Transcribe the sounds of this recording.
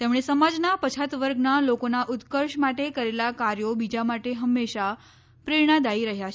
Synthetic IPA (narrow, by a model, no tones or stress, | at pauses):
t̪emɽ̃esəmad͡ʒnapət͡ʃʰat̪ʋəɾɡnalokonaʔut̪kəɾʂmaʈekəɾelakaɾjobid͡ʒamaʈeɦəmːeʃa | pɾeɾɳ̃ad̪aiɾəɦjat͡ʃʰ